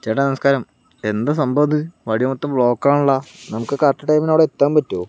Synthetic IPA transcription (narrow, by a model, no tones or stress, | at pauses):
t͡ɕeːʈːɐnɐmɐskaːɾɐm | e̞nd̪ɐsɐmbɐd̪iʋɐɽijɐmɐt̪ːɐmbɭo̞ːkːaːɳuɭːɐnɐmukːɨkaʈːɐʈːɐjminoːɽeet̪ːaːmpɐtːoː